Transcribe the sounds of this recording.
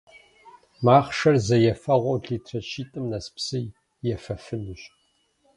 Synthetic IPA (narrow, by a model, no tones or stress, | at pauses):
maːχʂɐrzɐjɛfɐʁʷɔwɮiːtʰrɐt͡ʃʰiːtʼɨmnɐspsɨj | jɛfɐfɨnɨɕ